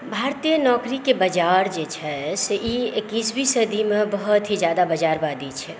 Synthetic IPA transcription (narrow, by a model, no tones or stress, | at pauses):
bʱaːɾt̪ijənɔːkɾikebɐd͡ʒaːɾd͡ʒet͡ʃʰɛseʔiekiːsbʱisəd̪ʱimẽbəɦʊt̪ɦid͡ʒjaːd̪abəd͡ʒaːɾbaːd̪it͡ʃʰɛ